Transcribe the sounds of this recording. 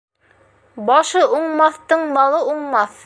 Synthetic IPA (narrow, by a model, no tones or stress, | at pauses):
bɑʃɤʔuɴmɑθt̪ɤɴbɑlˠɤuɴmɑθ